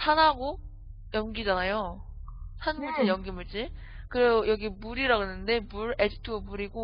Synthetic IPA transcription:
sʰanɦaɡo | jʌŋɡid͡ʑanajo | sʰanmuɭt͡ɕ͈ijʌŋɡimuɭt͡ɕ͈i | kɯɾeojʌɡimuɾiɾaɡonɯnde̞muɾed͡ʑitʰɯɡomuɾiɡo

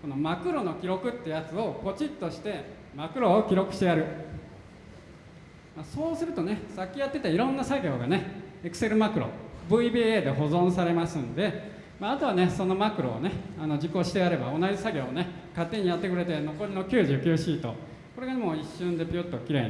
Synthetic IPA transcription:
ko̞no̞makɯ̟ɾo̞no̞kʲiɾo̞kɯ̟t̪ːeɯ̟jat͡sɨo̞ko̞t͡ɕĩt̪ːo̞ɕi̥t̪e̞ | makɯ̟ɾo̞ːkʲiɾo̞kɯ̟ɕi̥t̪e̞jaɾɯ̟ | maso̞ːsɨɾɯ̟t̪o̞ne̞sakʲːijat̪ːe̞t̪aiɾõnːasaɡʲo̞ːɡane̞ekɯ̟̥seɾɯ̟makɯ̟ɾo̞̰bɯ̟ibiːeːd̪e̞ɦo̞zõ̞ɰ̃saɾe̞masɨ̃nd̪e̞ | maːt̪o̞βane̞so̞no̞makɯ̟ɾo̞̰ːne̞ano̞d͡ʑiko̞ɕi̥t̪e̞jaɾe̞ba̰o̞nad͡ʑisaɡʲo̞ːne̞kat̪ːe̞ɲ̟ijat̪ːe̞kɯɾe̞t̪e̞no̞ko̞ɾʲino̞kʲɨːʑɨːkʲɨːɕiːt̪o̞̰ | ko̞ɾe̞ɡamo̞ːiɕːɨ̃nd̪e̞pʲiot̪ːo̞kʲiɾe̞̰

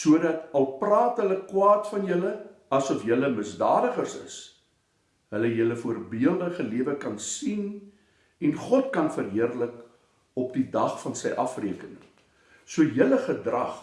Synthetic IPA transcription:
suədɐtɐlˠprɑːtɦələkwɑːtfɐnjələ | ɐsɔfjələməsdɑ̰ːdəχərsə̰s | ɦələjələfuərbiəlˠdəχəliəvəkɐnsin | ɛnχɔtkɐnfərɦiərlək | ɔp̚didɐχfɐnsɛjʔɐfriəkənəŋ | suəjələχədrɐ̰χ

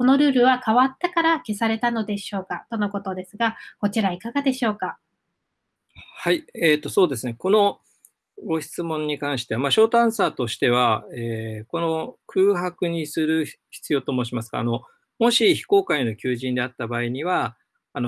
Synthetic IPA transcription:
ko̞no̞ɾɯ̟ːɾɯ̟βakaβat̪ːakaɾake̞saɾe̞t̪ano̞d̪e̞ɕo̞ːkat̪o̞no̞ko̞t̪o̞d̪e̞sɨɡako̞t͡ɕiɾaikaɡad̪e̞ɕo̞ːka | haieːt̪ːo̞so̞ːd̪e̞sɨne̞ko̞no̞ | ɡo̞çi̥t͡sɨmõ̞ɲ̟ːikãɰ̃ɕi̥t̪e̞amaɕo̞ːt̪ãɰ̃saːt̪o̞ɕi̥t̪e̞β̞aeːko̞no̞kʰɯːɦakɯ̟ɲ̟isɨɾɯ̟çi̥t͡sɨjo̞ːt̪o̞ːmoːɕimasɨ̥ɡ̥a̰ːno̞ | mo̞ɕiçi̥ko̞ːkaino̞kʲɨːʑĩnd̪e̞at̪ːabaːiɲ̟iβaː | no

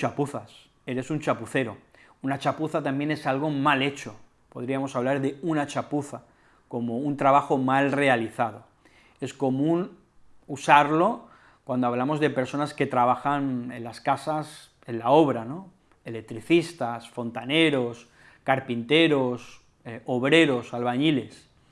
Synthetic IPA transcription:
t͡ʃapuθas | e̞ɾe̞sunt͡ʃapuθe̞ɾo | unat͡ʃapuθat̪ambje̞ne̞salɣ̞o̞male̞t͡ʃo̞ | po̞ð̞ɾiamo̞saβ̞laɾðe̞unat͡ʃapuθa | ko̞mo̞unt̪ɾaβaxo̞malre̞aliθað̞o̞ | e̞sko̞mũn | usaɾlo̞ | kwand̪oaβ̞lamo̞zðe̞pe̞ɾso̞naske̞t̪ɾaβ̞axane̞̰nlaskasas | e̞nlao̞β̞ɾano̞ | elek̚t̪ɾiθist̪asfo̞nt̪ane̞ɾo̞s | kaɾpint̪e̞ɾo̞s | oβɾe̞ɾo̞salβaɲile̞s

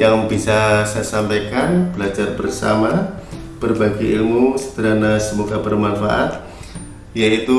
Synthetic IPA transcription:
jaŋbisasajsampajkanbəlad͡ʒarbərsa̰mab̥ərbaɡiilmusə̥t̪əɾanasəmuɡabərmanfa̰ʔa̰t̪̚ | jait̪u

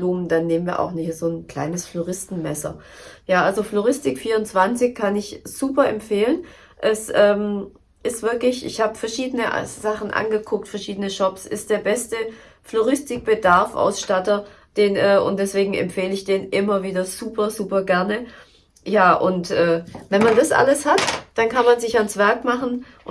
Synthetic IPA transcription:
luːmndanːeːmənviːɐʔa̰ʊxnɪhizoːnkl̥a̰ɪnəsfloʁɪstn̩mɛsɐ̰ | jaːʔalzofloʁɪstɪkfiːɐʊnt͡sv̥ant͡sɪçkʰanɪçz̥uːpɐɛmfeːlən | ʔɛsʔɛːm | ʔɪstv̥ɪɐklɪçʔɪ̰çhaːbəfɛɐʃiːdənəʔzaχn̩ʔa̰nɡəkʰʊk̚tfɛɐʃiːdənəʃɔpsʔɪ̰std̥eːɐbɛstə | floʁɪstɪk̚b̥ədaɐfʔa̰ʊsʃtatɐ | d̥eːnʔɛːʊ̰ntd̥ɛsv̥eːɡŋ̩ɛ̰mfeːləɪçd̥eːnʔɪmɐviːdɐz̥uːpɐzuːpɐɡɛɐnə | jaːʔʊ̰ntʔɛːvɛnmandasʔa̰ləshatd̥ankanmanzɪçansv̥ɛɐkmaχn̩

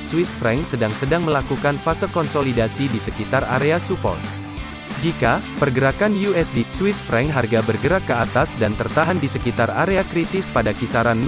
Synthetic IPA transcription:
swisfɾɛŋsədaŋsədaŋməlakukanfasəkɔnsolidasidisəkit̪ara̰ɾeasupɔ̰l | d͡ʒikapərɡəɾakanjuɛsdiswisfɾɛŋɦarɡabərɡəɾakːəat̪asdant̪ərt̪aɦandisəkit̪araɾeakɾit̪ɪspadakisaɾanː

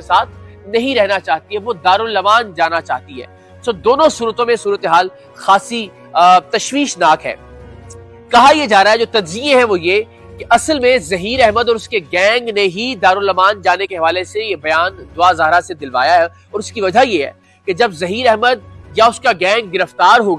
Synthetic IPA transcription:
esaːt̪ʰ | nɐɦĩɾɛɦnat͡ʃaːɦt̪iɦɛʋod̪aːɾʊlːɐmaːnd͡ʒaːnat͡ʃa̰ːɦt̪iɦɛ̰ː | soːd̪oːnõsuːɾət̪õmẽsuːɾət̪eɦaːl | xaːsi | t̪ɐʃʋiːʃnaːkɦɛ̰ː | kɐɦajed͡ʒaːɾaɦɛd͡ʒoːt̪ɐdziẽɦɛ̃ʋoje | keʔɐsəlmẽzɐɦiːɾɛɦməd̪ɔːɾʊskeɡɛ̃ːŋɡneɦid̪aːɾʊlɐmaːnd͡ʒaːnekeɦɐʋaːlesejebɐjaːnd̪ʊazaːɦɾased̪ɪlʋa̰ːjaɦɛ | ɔːɾʊskiʋɐd͡ʒajeɦɛ̰ː | ked͡ʒɐbzɐɦiːɾɛɦməd̪̚jaʊskaɡɛ̃ːŋɡ̚ɡɪɾəft̪aːɾɦoːɡa

